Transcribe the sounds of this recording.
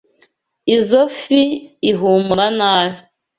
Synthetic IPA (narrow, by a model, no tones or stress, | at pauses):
izofiːɦumuɾanaːji